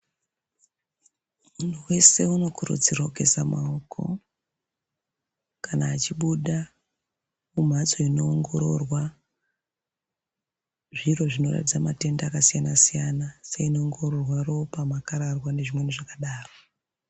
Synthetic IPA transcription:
mun̤uwe̞se̞uno̞kʰurṵd͡zirake̞samaokʰo̞̰ | kanaːt͡ʃiɓuɗa | um̤ad͡zo̞inoːŋɡo̞ɾo̞rwa | ʐiro̞ʐino̞ra̰tid͡zamate̞ndaːkasijanasijanaseino̞ːŋɡo̞rorwaro̞pamakaɾarwane̞ʐimweniʐakaɗaːro

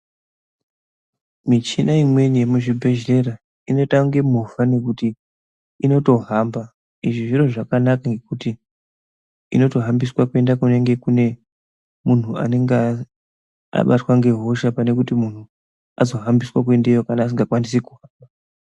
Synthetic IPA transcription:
mit͡ʃinaimwe̞ɲemuʐibʱe̞ʒle̞ɾa | ino̞taŋɡe̞muvane̞kutiː | no̞to̞ɦamba | iʐiʐiɾoʐakanakaŋɡe̞kuti | ḭno̞to̞ɦambiswakue̞ndakune̞ŋɡe̞kune | mun̤ua̰ne̞ŋɡe | a̰ɓatwaŋɡe̞ɦo̞ʃapane̞kutimun̤u | a̰zo̞ɦambiswak̬we̞ndejokanaːs̬iŋɡakwanis̬ekuɦaːmba

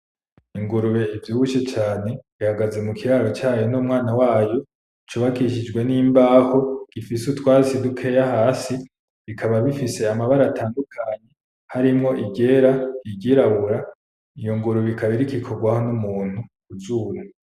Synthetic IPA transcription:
iŋɡuɾuβe̞ivjuːβut͡ʃe̞t͡ʃaːne̞ | ihaɡaze̞mukʰiɾaːɾot͡ʃaːjonumŋaːnawaːjo̞ | t͡ʃuːβakiʃid͡ʒɡwe̞niːmbaːho̞ɡ̥ifisutwaːisidukʰe̞ːjahaːsi | βikʰaβaβifise̞amaβaɾatʰaːndukʰaɲe̞ | haɾimŋo̞ʔiɟe̞ːɾaiɡɟiːɾaβuɾa | ijo̞ŋɡuɾuβikʰaβiɾikikʰoɡwaho̞numuːn̥hu | uzuːɾa

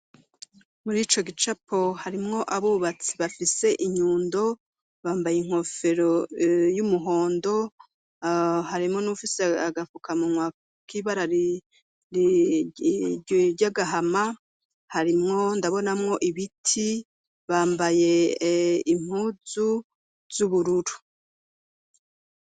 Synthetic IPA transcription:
muɾiːt͡ʃo̞ɡit͡ʃapʰo̞haɾimŋo̞ʔaβuβat͡si̥βafise̞ʔiɲuːndo̞ | βaːmbajeiŋ̥ho̞fe̞ɾojumuɦo̞ːndo̞ | haɾimŋo̞nufiseaɡafukamumwa | kiβaɾaɾ | ɾɟaɡaɦama | haɾimŋo̞ndaβo̞namŋo̞ʔiβitʰi | βaːmbaje̞ | im̥uːzu | z̥uβuɾuɾu̥

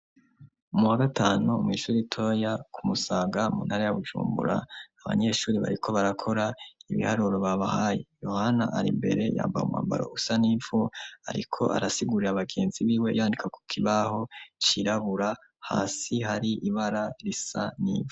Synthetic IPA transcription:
umuwaɡatʰaːnumŋiːʃuːɾitʰo̞jakʰumusaːɡamṵːnhaɾajaβuʒṵːmbṵɾa̰ːβa̰ɲe̞ʃuːɾiβa̰ɾikʰo̞βaɾakʰo̞ɾaiβḭhaɾuːɾoβaβahajejo̞hana̰ʔaɾḭmbe̞̰ɾe̞ja̰ːmbaṵmwa̰ːmba̰ɾo̞̰usaniːvoaɾḭkʰo̞̰ʔa̰ɾasiɡuɾiɾaβaɡe̞ːnziβiːwe̞jaːndikʰaku̥kʰiβaho̞t͡ʃiɾaβuɾa | ha̰ːsihaɾiʔiβaɾaɾisanḭːvu

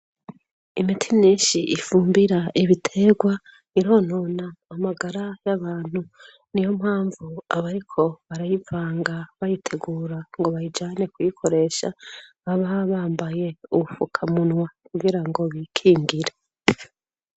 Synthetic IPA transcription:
imitʰimiːnʃiʔifuːmbiɾaʔiβitʰe̞ːɡwa | niɾo̞ːno̞naːmaɡaɾajaβaːn̥hu | nijo̞mhaːɱvuaβaɾikʰo̞βaɾajivaːŋɡaβajitʰe̞ɡuːɾaŋɡo̞βajid͡ʒaːne̞kwikʰo̞ɾe̞ʃa̰βaβaβaːmbaje̞uufukʰamunŋwakuɡiɾaŋɡo̞βikʰiːŋɡiɾe

